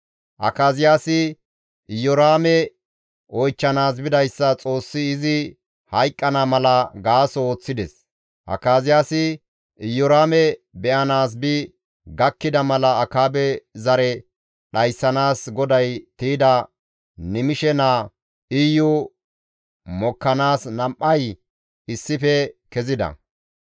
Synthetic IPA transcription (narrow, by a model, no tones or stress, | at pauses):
ʔɐ̰kaːzɪjaːsɪ | ʔɪjɔɾaːmɛ | ʔɔjt͡ʃːɐnaːs̬bɪd̪ɐjsːɐt͡sʼo̞ːsːɪːzɪ | hɐjkʼːɐnamɐlɐɡaːsɔo̞ːt͡sːɪd̪ɛs | ʔɐ̰kaːzɪjaːsɪ | ʔɪjɔɾaːmɛbɛʔɐnaːs̬bɪ | ɡɐkːɪd̪ɐmɐlɐːkaːbɛzɐɾɛ | ɗɐjsːɐnaːsɡɔd̪ɐjt̪iːd̪ɐ | nɪmɪʃɛnaː | ʔɪjʊ | mɔkːɐnaːsnɐmʔɐj | ɪsːɪfɛkɛzɪd̪ɐ̰